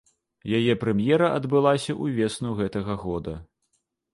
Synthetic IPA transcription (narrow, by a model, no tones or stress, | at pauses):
jajɛpɾɛmjɛɾɐʔɐd̪bɨlˠasʲɐʔuvʲɛsnuɣɛt̪ɐɣɐɣɔd̪ɐ